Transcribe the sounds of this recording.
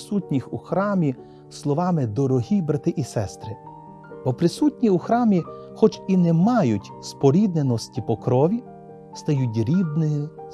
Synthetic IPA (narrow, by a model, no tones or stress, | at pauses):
sutʲnʲixuxɾɑmʲi | slˠɔʋɑmɪd̪ɔɾɔɦʲibɾɐt̪ɪʔisɛst̪ɾɪ | b̥ɔpɾɪsutʲnʲiuxɾɑmʲixɔt͡ʃinɛmɑjʊtʲspɔɾʲid̪nenɔsʲtʲipɔkɾɔʋʲi | st̪ɐjutʲɾʲib̪nɪɪ